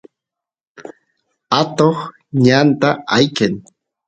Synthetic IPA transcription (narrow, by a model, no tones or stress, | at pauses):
at̪oχ | ɲant̪aajken